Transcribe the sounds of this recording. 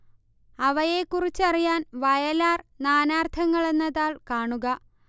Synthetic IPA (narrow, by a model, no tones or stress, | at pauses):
ɐʋɐje̞kːurit͡ɕːɐrijaːnʋɐjɐlaːrnaːnaːrt̪ʰɐŋːɐɭe̞nːɐðaːɭkaːɳuɣɐ